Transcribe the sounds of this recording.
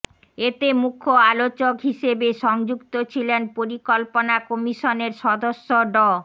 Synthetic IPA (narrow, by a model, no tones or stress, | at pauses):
et̪emukʰːoalot͡ɕokɦiʃebeʃɔŋd͡ʑukt̪ot͡ɕʰilenpoɾikolponakɔmiʃoneɾʃɔd̪oʃːoɖɔ